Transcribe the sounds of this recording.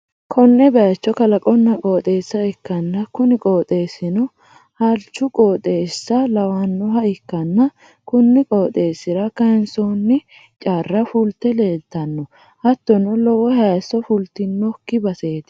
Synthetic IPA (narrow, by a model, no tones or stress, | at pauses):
kʰɔnːɛbɐjɐt͡ʃːɔkɐlɐkʼɔnːɐkʼo̞ːt̪ʼe̞ːsːɐɪkːɐnːɐkʊnɪkʼoːt̪ʼe̞ːsɪnɔ | hɐlt͡ʃːʊkʼoːt̪ʼe̞ːsːɐlɐwɐnːɔɦɐɪkːɐnːɐ | kʊnːɪkʼoːt̪ʼeːsɪɾɐkɐnsoːnːɪ | t͡ʃʼaːrːɐfʊlt̪ːɛle̞ːt̪ːɐnːɔ | hɐt̪ːɔnɔlɔwɔhɐsːɔfʊlt̪ːɪnːɔkːɪbɐseːt̪ɪ̥